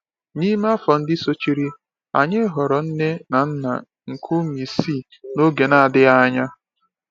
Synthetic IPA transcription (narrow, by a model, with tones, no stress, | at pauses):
ni˦m˦a˦fɔ˨n̩˦dɪ˦so˦t͡ʃi˦ɾi˦ | a̰˨ɲɪ˦ɦɔ˨ɾɔ˨n̩˦ne˦na˨n̩˦na̰˨ | ŋ̩˨kʰu˦mi˨si˦˨ | no˦ɡe˨na˨dɪ˦a˦ɲa˦